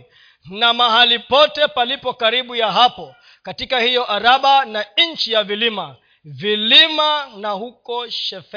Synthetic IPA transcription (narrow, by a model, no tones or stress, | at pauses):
namaɦalipɔtɛpalipɔkaɾiɓujaɦapɔ | katikahijɔʔaɾaɓanaɲt͡ʃijavilima | vilimanahukɔʃɛfɛ